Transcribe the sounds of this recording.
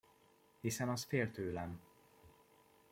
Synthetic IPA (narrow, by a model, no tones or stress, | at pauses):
hisɛnɒsfeːlt̪øːlɛm